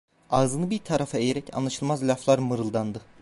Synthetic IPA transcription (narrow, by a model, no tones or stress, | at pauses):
aːzɯnɯbiɾt̪ʰaɾafaejeɾɛcʰa̰nlˠaʃɯlˠmazlʲaflˠaɾmɯɾɯlˠd̪and̪ɯ